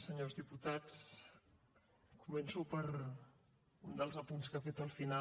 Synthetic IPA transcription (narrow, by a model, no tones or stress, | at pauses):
səɲozðiput̪at͡s | kumɛnsupəɾ | und̪əlˠzəpunskafet̪əlˠfina